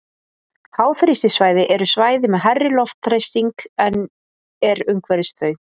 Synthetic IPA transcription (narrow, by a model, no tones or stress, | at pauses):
haːwθɾɪst̪ɪsvaːjðɪʔɛɾʏsvaːjðɪmɛðɦɛrːɪlɔft̪ɾejst̪iŋkɛn | ɛɾʏmkʰvɛɾɪst̪ʰvœːɥ